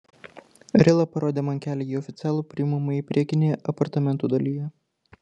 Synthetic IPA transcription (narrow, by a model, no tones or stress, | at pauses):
ɾʲɪlˠɐpɐɾoːd̪ʲeːmɐŋʲkʲæːlʲeiːɔfʲɪt̪sʲɪæːlˠuːpʲɾʲɪɪmɐmɐipʲɾʲiɛkʲɪnʲeːjɛʔɐpɐɾt̪ɐmʲɛnt̪uːd̪ɐlʲijɛ